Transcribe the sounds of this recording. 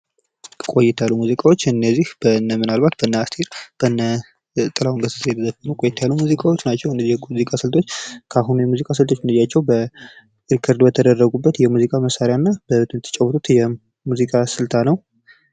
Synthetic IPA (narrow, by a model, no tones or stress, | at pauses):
kʼo̞jɪt̪ʰjalːumuzikʼawo̞t͡ʃːɨnːəzːihb̥ənəmɨnalbat̪̚bənːəast̪ʰiɾb̥ənːə | t̪ʼɨlawŋɡəsəsjɛt̪ʰəzəfənəwkʼojɛt̪ʰajalːumuzikʼawot͡ʃːnat͡ʃːɛwɨnːəzːihjuzikʼasɨlt̪ʰo̞t͡ʃːkʰaɦunujɛmuzikʼas̬ɨlt̪ʰo̞t͡ʃːmɨnd̪əzjːat͡ʃːɛwbə | ʔɨɾkʰəɾd̪bət̪ʰəd̪ərːəɡubːət̪jɛmuzikʼaməsaɾjanːabəβət̪ʰɨnt̪ʰə̥t͡ʃʼɛwːət̪ʰʼut̪jɛ | muzikʼasɨlt̪ʰanəw